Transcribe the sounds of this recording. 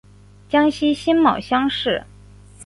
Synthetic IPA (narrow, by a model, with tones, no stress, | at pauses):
t͡ɕjɑ˥ŋɕi˥ɕi˥nmɑ̰˨˩ʊɕjɑ˥ŋʂɻ̩˥˩